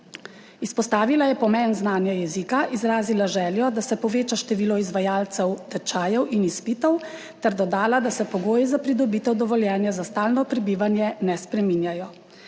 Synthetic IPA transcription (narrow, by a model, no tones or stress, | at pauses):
ispɔst̪aːʋilajɛpɔmɛnznaːnjajɛzikaʔizɾaːzilaʒɛːljɔd̪asɛpɔʋeːt͡ʃaʃt̪ɛʋiːlɔizʋajaːlt̪sɛwt̪ɛt͡ʃaːjɛwʔinispiːt̪ɔw | t̪ɛɾd̪ɔd̪aːlad̪asɛpɔɡoːjizapɾid̪ɔbiːt̪ɛwd̪ɔʋɔljɛːnjɛzast̪aːlnɔpɾibiːʋanjɛnɛspɾɛmiːnjajɔ